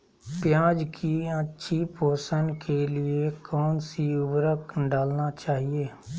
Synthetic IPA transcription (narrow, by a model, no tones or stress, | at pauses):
pjãːd͡ʒkʰiətːʃʰipoːsənkʰelɪekɔːnsiʊbɾəkɖaːlnat͡ʃaːɦieː